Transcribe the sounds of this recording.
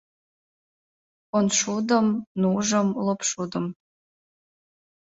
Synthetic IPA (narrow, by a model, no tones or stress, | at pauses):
onʃud̪əmnuʒəmlopʃud̪əm